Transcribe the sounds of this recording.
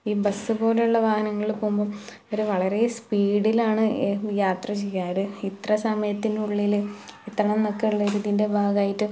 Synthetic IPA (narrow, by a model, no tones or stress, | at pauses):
iːbɐsːɨbo̞ːle̞uɭːɐʋaːhɐnɐŋːɐɭilpoːumbom | o̞ɾuʋɐɭɐɾe̞spiːɽilaːɳɨjaːt̪rɐt͡ɕejːaːɐðɨit̪rɐsɐmɐjɐt̪ːinuɭːilit̪ːrɐɳɐmnokːeuɭːɐɾuːðjinde̞bʱaːɡaːjiʈːɨ